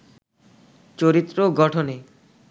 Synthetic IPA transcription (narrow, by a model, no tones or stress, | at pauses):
t͡ɕoɾit̪ːɾoɡɔʈʰone